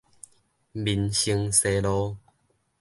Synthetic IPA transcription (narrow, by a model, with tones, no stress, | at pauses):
bi˧˩nɕi˧ŋse˧lo˧˦